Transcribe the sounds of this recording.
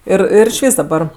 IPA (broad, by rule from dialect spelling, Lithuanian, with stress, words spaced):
ˈɪr ˈɪr ɪʃʲˈʋʲiːs dɐˈbɐr